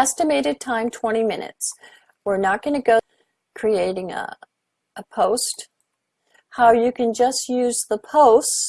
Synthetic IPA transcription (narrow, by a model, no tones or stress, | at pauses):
ɛstɨmeɪɾɨd̚tʰãɪ̃mtʰw̥ɛ̃ɾ̃imɪ̃nɨ̰ts | wɪɹnət̚ɡ̥ʌnɨɡoʊ | kʰɹ̥ieɪɾɪ̃ŋ̰ | əpʰoʊst̚ | haʊjɨkɨ̃nd͡ʒʌst̚jʉzðəpʰoʊst